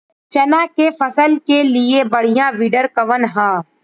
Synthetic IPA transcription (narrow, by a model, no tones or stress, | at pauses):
t͡ʃɐnãːkefʰɐsəlkeliebəɽ̤ijãʋɪɖəɾkəʋənɦãː